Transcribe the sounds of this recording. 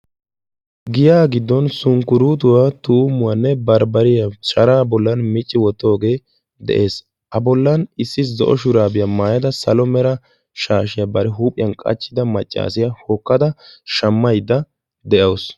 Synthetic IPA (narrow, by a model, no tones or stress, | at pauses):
ɡɪjaːɡɪd̪ːɔnsʊŋkʊɾuːt̪̬ʊwat̪uːmːʊwɐnːɛbɐɾbɐɾɪjɐt͡ʃɐɾaːbɔlːɐnmɪt͡ʃʼːɪwɔt̪ːo̞ːɡe̞ː | d̪ɛ̰ʔe̞ːs | ʔɐbɔlːɐnɪsːɪzɔ̰ʔɔʃʊɾaːbɪjamaːjɐd̪ɐsɐlɔmɛɾɐ | ʃaːʃɪjɐbɐɾɛɦuːpʼːɪjɐnkʼɐ̰t͡ʃːɪd̪ɐmɐt͡ʃʼːa̰ːsɪjahokːɐd̪ɐʃɐmːɐjd̪ɐ | d̪ɛʔɐws